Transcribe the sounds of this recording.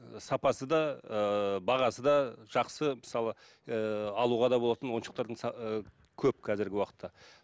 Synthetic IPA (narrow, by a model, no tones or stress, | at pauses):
sɑpɑsəd̪ɑəbɑʁɑsəd̪ɑʒ̥ɑqsəməsɑlˠə | ɑlˠuʁɑd̪ɑbo̞lˠɑt̪ənwo̞nʃəq̚t̪ɑɾd̪əɴsɑ | kʲʰɵp̚kʰæzɪɾɡʲɪwɑqə̥t̪ʰːɑ